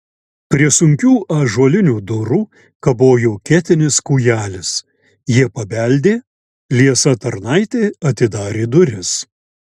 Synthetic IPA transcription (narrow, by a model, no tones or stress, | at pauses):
pʲɾʲiɛsʊŋʲkʲuːʔɐʒuɔlʲɪnʲuːd̪ʊɾuː | kɐboːjuːkʲæːt̪ʲɪnʲɪskuːjæːlʲɪs | jiɛpɐbʲælʲd̪ʲeː | lʲiɛsɐt̪ɐɾnɐɪt̪ʲeːɐt̪ʲɪd̪ɑːɾʲeːd̪ʊɾʲɪs